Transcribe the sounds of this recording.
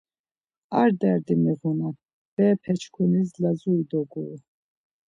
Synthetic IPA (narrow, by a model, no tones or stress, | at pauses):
aɾd̪ɛɾd̪imiʁuna | b̥ɛːpʰɛt͡ʃʰkʰunislazuid̪ɔɡṵ